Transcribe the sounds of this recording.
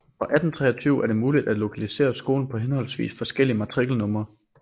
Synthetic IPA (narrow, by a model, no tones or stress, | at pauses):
fɒ̽ʔæd̥n̩t͡sʰʁɛ̰ːɒt͡sʰyʊæɐɾe̝muːlid̥æd̥lo̝kʰælise̝̰ːɐsɡ̥o̝ːln̩pʰɒ̽ɦenhɒ̽lsʋḭːsfɒ̽sɡ̥el̰iəmɑ̈t͡sʰʁiɡ̥l̩nɔ̽mɐ